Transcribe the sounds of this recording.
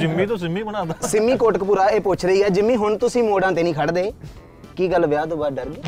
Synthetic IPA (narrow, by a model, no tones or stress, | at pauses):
d͡ʒɪmːĩːt̪õːsɪmiːbənaːd̪aːsɪmːĩːkoːʈəkpuːɾaːeːpʊt͡ʃʰɾəiːɛːd͡ʒɪmːĩːɦʊɳt̪ʊsĩːmoːɖãːt̪eːnĩːkʰəɽd̪eː | kiːɡəlʋɪjaːt̪õːbaːɖəɾɡeː